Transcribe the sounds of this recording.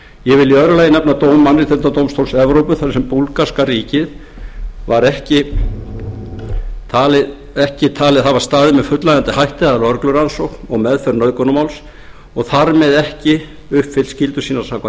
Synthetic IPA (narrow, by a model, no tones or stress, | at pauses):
jɛvɪlːɪœðɾʏlajɪnɛpnat̪oːwmmanɾɪt̪ʰɛnt̪at̪owmst̪ʰowlsɛvɾowpʏθaɾsɛmpulkaskaɾiːcɪð | vaɾɛhcɪ | t̪ʰaːlɪð | ɛhcɪt̪ʰaːlɪðθaðvaɾ̥st̪aːðɪmɛðfʏt̪lajant̪ɪhajht̪ɪaðaɾœɾklʏɾansowknɔɣmɛðfœɾnœðkɔnʏmawls | ɔɣθaɾmɛðɛhcɪ | ʏhpfɪlscɪlt̪ʏsiːnḁsawkva